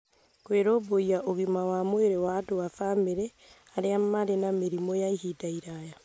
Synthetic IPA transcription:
kweɾoːβoiaʔoɣimawamweɾewatoafameɾɛ | aɾeamaɾenameɾimɔjaihitaiɾaja

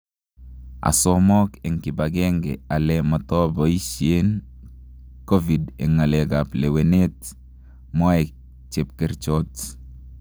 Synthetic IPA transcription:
a̰sɔmɔkeŋkibaɡɛŋɡɛ̰alɛmɔtɔbɔiʃien | kovidɛ̰ŋaleɡaplewenet | mɔek | t͡ʃep̚keɾt͡ʃɔt

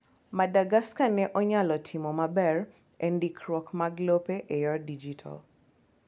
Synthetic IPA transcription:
madaɡaskanɛʔɔɲalɔtʰimɔmabɛr | ɛndikʰɾwɔkmaɡlopeʔejɔdid͡ʒitʰa̰l

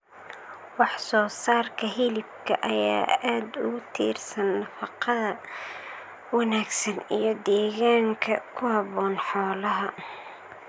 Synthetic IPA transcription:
wɑħsɔːsaːrkʰɐɦɪlɪb̚kʰɐʔɐja̰ːaːd̪ʊɣʊt̪ʰḭːrsɐnːɐfɑqɑðɐ | wɑnaːɡsɐnḭjɞd̪ɛːɣaːŋkʰɐkʰʊhɐβɔːnħɔːlɐɦɐ

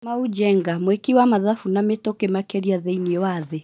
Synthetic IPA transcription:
maud͡ʒɛŋɡamwekiwamaðafunametɔkemakɛɾiaðɛiniɔwaðe

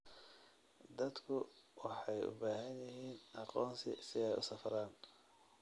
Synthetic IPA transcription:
d̪ɐd̪kʰʊwɑħɑjʊ̰baːɦɐnjɐɦiːnʔɑqɔːnsɪ̰sɪɛjʊ̰sɐfɾaːn

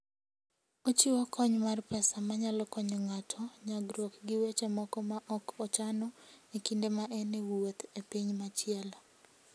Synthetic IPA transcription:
ot͡ʃiwɔkʰɔɲmarpɛsamaɲalɔkɔɲɔŋatʰɔɲaɡɾwɔkɡɪwet͡ʃemɔkɔmaʔɔkɔt͡ʃanɔekindemaʔɛnewot̪epiɲmat͡ʃɪɛl

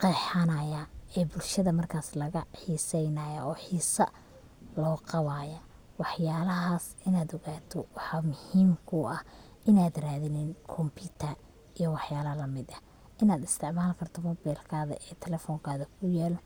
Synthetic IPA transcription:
qɛːħanaːjaːɛːbʊlʃɐðɐmɐrkʰaːslɐɣɐħiːsɛjnɐːjɐʔɔːħiːsɐ | lɔːqɑwaːjɐ | wɑħjaːlɐɦaːsɪnaːd̪ɔɣaːt̪ʰɔwɑħɑmʊhiːmkʰʊʔɐh | ʔɪnaːd̪raːðɪnɪnkʰɔmpʰiːt̪ʰɐr | ijɔwɑħjaːlɐlɐmɪd̪ɐ | ʔɪnaːd̪ɪst̪ʰɪʕmaːlkʰɐrt̪ʰɔmɔbɛjlkʰaːðɐ̰ʔɛːt̪ʰɛlɛfɔːŋkʰaːðɐkʰʊjɛːlɔ

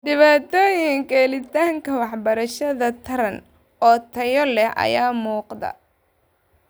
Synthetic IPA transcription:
ɖɪβaːt̪ʰɔːjɪŋkɛlɪt̪ʰaːŋkʰɐwɑħbɐɾɐʃɐðɐt̪ʰɐɾɐn | ɔːt̪ʰɐjɔlɛhʔɐ̰jaːmuːqd̪ɐ̰

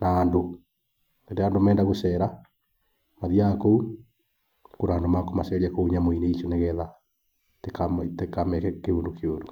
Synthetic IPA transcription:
naːndo | endeandomɛːndaɣoʃɛɾa | maðiakou | koɾaːndomakomasɛɾiakouɲamoineiʃoneɣɛða | tekamtekamɛkɛkeundokʰeodo

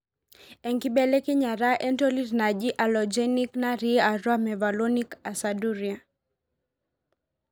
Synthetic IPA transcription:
ɛŋkiɓɛlɛkiɲaɾaʔɛntɔlidnaʄiʔalɔd͡ʒɛniknaɾiaɾwamɛvalɔnikasaduɾia

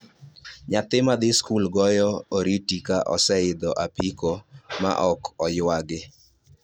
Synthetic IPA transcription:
ɲat̪ɪmad̪ɪskulɡɔjɔoɾitikaʔɔ̰sɛɪd̪ɔʔapikɔma̰ʔɔkɔjwaɡɪ

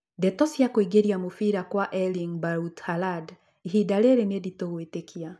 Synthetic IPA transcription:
dɛtɔsjakoiɡeɾjamofiɾakwaʔɛliŋbaɾuthalad | iɦidaɾeɾeneditoɣwetekʰia

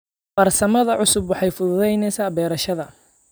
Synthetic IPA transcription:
b̥ɐrsɐmɐðɐʕʊsʊbwɑħɑjfʊðʊðɛjnɛjsaːbɛːɾɐʃɐðɐ

